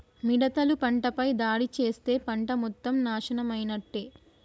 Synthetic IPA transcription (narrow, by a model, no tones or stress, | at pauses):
miɽɐt̪ɐlupɐɳʈɐpɐjd̪aːɽit͡ʃe̞ːst̪e̞ːpɐɳʈɐmɔt̪ːɐmnaːʃɐnɐmɐjnɐʈːe